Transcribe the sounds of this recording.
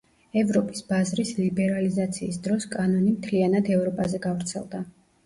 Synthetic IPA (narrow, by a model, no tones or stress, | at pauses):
ɛvɾɔpʼi̥sbazɾislibɛɾalizat̪sʰiːsd̪ɾɔskʼanɔnimt̪ʰlianad̪ɛvɾɔpʼazɛɡavɾt̪sʰɛ̰lˠd̪a